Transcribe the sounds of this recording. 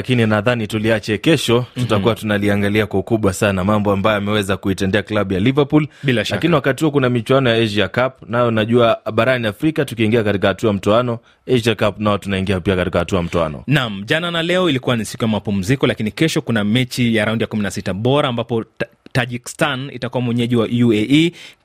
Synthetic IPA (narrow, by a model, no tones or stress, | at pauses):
akininaðanituliat͡ʃɛkɛʃɔtutakuwatunaliaŋɡaliakwaukuɓwasanamambɔambajɔjamɛwɛzakuitɛndɛaklaɓujalivapulbilaʃlakiniwakatihukunamit͡ʃwanɔjaɛʒakapnajɔnaʄuaɓaɾaniafɾikatukiːŋɡiakatikahatuajam̩tɔanɔ | ɛʒakapnaɔtunaiŋɡiapiakatikahatuajam̩tɔa̰nɔ̰nam̩ʄananalɛɔilikuwanisi̥kujamapum̩zikɔlakinikɛʃɔkunamɛt͡ʃijaɾaundijakuminasitaɓɔɾaːmbapɔ | taʄikstanḭtakuwamwɛɲɛʄiwaju